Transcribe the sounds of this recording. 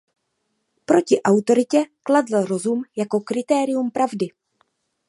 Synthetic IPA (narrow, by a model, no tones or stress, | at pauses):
pɾo̞cɪʔawt̪o̞ɾɪcɛkladl̩ɾo̞zumjako̞kɾɪt̪ɛːɾɪjumpɾʔavdɪ